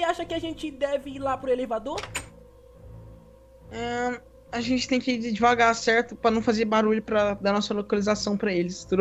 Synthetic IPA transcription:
ɪaʃɐkɪaʒẽt͡ʃɪd̪ɛvɪiɾlapɾʊelevad̪oɾ | ɛ | aʒẽnt͡ʃɪ̥t̪ẽj̃kɪd͡ʒd͡ʒivaɡasɛɾt̪ʊpɾɐnɐ̃w̃fazeɾbaɾuʎʊpɾɐd̪ɐnɔsɐlokalizasɐ̃w̃pɾɐelɪst̪ud̪

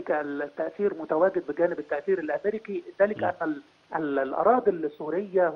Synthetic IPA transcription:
kæt̪ːæʔθiːɾmʊt̪æwæːɡɪd̪̚bɪɡæːnɪbɪt̪ːæʔθiːɾɪlʔameɾɪkiðæːlɪkʔænːæ | llʔɑ̰ɾˤɑːd̪ilsːuːɾɪjːæh

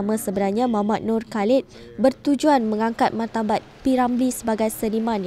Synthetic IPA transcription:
mãsəbənarɲãmamat̪̚nurkalɪt̪̚ | bərt̪ud͡ʒuanmə̃ŋaŋkat̪̚mart̪abat̪̚piɾamblisəbaɡajsəɾimãn

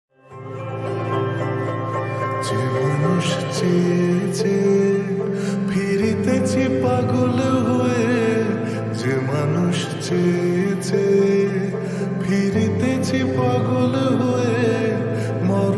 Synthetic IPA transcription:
d͡ʑemanuʃt͡ɕet͡ɕʰe | pʰiɾit̪et͡ɕʰipaɡolɦoe | d͡ʑemanuʃ | t͡ɕet͡ɕʰe | pʰiɾit̪et͡ɕʰipaɡolɦoe | mɔ

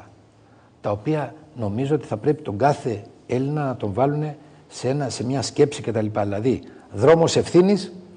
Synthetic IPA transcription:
t̪ɐo̞piɐno̞mizoo̞t̪i̥θɐpɾe̞pi̥t̪o̞ŋɡɐθe̞ | e̞linɐnɐt̪o̞ɱvɐlune̞ | see̞nɐse̞mɲɐsce̞psice̞t̪ɐlipɐðilɐðiðɾo̞mo̞se̞fθinis

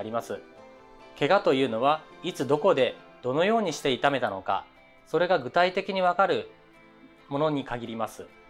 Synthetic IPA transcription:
aɾʲimasɨ | ke̞ɡat̪o̞jɯ̟ːno̞β̞ait͡sɨd̪o̞ko̞d̪e̞d̪̥o̞no̞jo̞ːɲ̟iɕi̥t̪e̞it̪ame̞t̪ano̞ka̰ | so̞ɾe̞ɡaɡɯ̟t̪ait̪e̞kʲiɲ̟iβ̞akaɾɯ̟ | mo̞no̞ɲ̟ikaɡʲiɾʲimasɨ

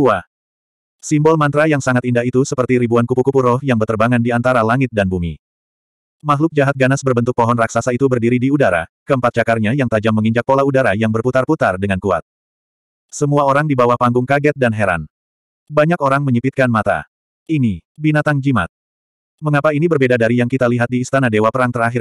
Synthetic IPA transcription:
ua | simbɔlmant̪ɾajaŋsaŋat̪indahit̪usəpərt̪iɾibuankupukupurɔhjaŋbərt̪ərbaŋandiant̪aɾalaŋɪt̪̚danbumi | maɦlʊk̚d͡ʒaɦat̪̚ɡanasbərbənt̪ʊk̚pɔɦɔnraksasait̪ubərdiɾidiudaɾa̰kəəmpat̪̚t͡ʃakarɲajaŋt̪ad͡ʒamːəŋiɲd͡ʒak̚polaudaɾajaŋbərput̪arput̪ardəŋankua̰t̪̚ | səmuaoɾaŋdibawahpaŋɡʊŋkaɡɛt̪̚danɦɛɾa̰n | baɲakoɾaŋməɲipit̪̚kanmat̪a̰ | inibinat̪aŋd͡ʒima̰t̪̚ | məŋapainibərbedadaɾijaŋkit̪aliɦat̪̚diːst̪anadewapəɾaŋt̪əɾaɦɪr

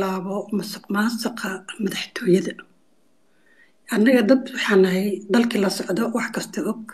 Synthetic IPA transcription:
laːβɔmɐsʊqmaːsɐqɐmɐðɐħt̪ʰɔːjɐðɐ | ʔɐnːɐɣɐd̪ɐbwɑħɑːnɐɦɛjd̪ɐlkʰɐlɐsɔʕðɔwɑħkʰɐst̪ʰɐʔɔɡ̚

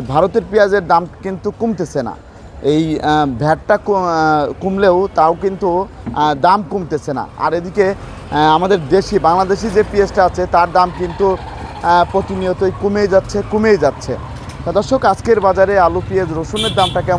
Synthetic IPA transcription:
bʱaɾot̪eɾpijad͡ʑeɾd̪amkint̪ukumt̪et͡ɕʰena̰ | ejbʱɛʈ̚ʈakkumleot̪aokint̪ud̪amkumt̪et͡ɕʰena̰a̰ɾed̪ike | amad̪eɾd̪eʃibaŋlad̪eʃid͡ʑepiesʈaat͡ɕʰet̪aɾd̪amkint̪u | pɾot̪inijot̪ojkumejd͡ʑatːɕʰekumejd͡ʑatːɕʰḛ | t̪ad̪ɔɾʃokad͡ʑkeɾbad͡ʑaɾealupied͡ʑɾoʃuneɾd̪amʈakɛ

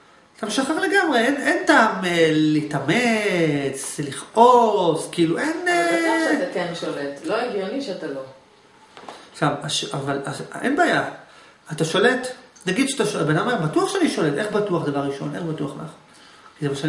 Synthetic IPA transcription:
t̪amʃaχaʁle̞ɡamʁeenʔentaːmelleitamet͡sliχʔoskiiluʔen | ekenʃoletloeɡjoniʃeatalo | ʃamaʃavalaenbaːjaː | taʃo̞letnaɡid̪ʃat̪aʃbenaomeʁbatuaχʃeaniʃo̞letʔeχbatuaχd̪avaʁːiʃo̞̰nʔeχbatuaχla̰χ | kizemaʃa

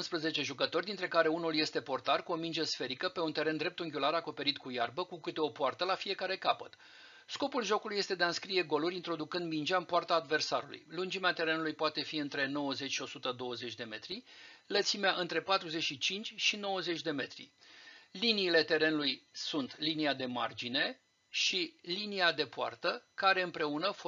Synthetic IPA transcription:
nspɾəze̞t͡ʃe̞ʒukət̪o̞rʲd̪int̪ɾe̞kaɾe̞unulje̞st̪e̞po̞rt̪arkuo̞mind͡ʒəsfe̞ɾikəpe̞unt̪e̞ɾe̞nd̪ɾep̚t̪uŋɡʲulaɾako̞pe̞ɾit̪kujarbəkukɨt̪e̞o̞poart̪əlafije̞kaɾe̞kapət̪ | sko̞pulʒo̞kuluje̞st̪e̞d̪eaɨnskɾije̞ɡo̞luɾʲint̪ɾo̞d̪ukɨnd̪mind͡ʒʲaɨmpoart̪aːd̪ve̞rsaɾulṵjlund͡ʒimeat̪e̞ɾe̞nulujpoat̪e̞fiɨnt̪ɾe̞no̞wəze̞t͡ʃʲʃio̞sut̪əd̪o̞wəze̞t͡ʃʲd̪e̞me̞t̪ɾilət̪simeaʔɨnt̪ɾe̞pat̪ɾuze̞t͡ʃʃit͡ʃint͡ʃʲʃino̞wəze̞t͡ʃʲd̪e̞me̞t̪ɾḭliniːle̞t̪e̞ɾe̞nulujsunt̪liniad̪e̞ma̰rd͡ʒine̞ | ʃiliniad̪e̞poa̰rt̪əkaɾe̞ɨmpɾe̞unəf

